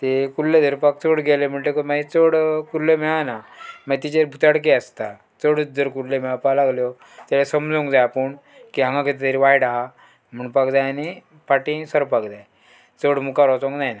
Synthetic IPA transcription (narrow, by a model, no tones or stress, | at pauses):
t̪ekulled͡zəɾpak̚t͡səɽɡelem̤əɳʈekomait͡səɽkuɾlːemɛɭanamat̪it͡ɕebʱut̪aɽk̬eəst̪a | t͡səɽd͡zəɾkuɾlemɛɭapalaɡljɔ | t̪alesəmd͡zõŋkd͡zajapəɳ | kiɦãŋɡãket̪et̪eɾiʋajɽaɦa | m̤əɳpakd͡zajani | paʈĩsəɾpakd͡zaj | t͡səɽmukaɾɔt͡sõŋknajna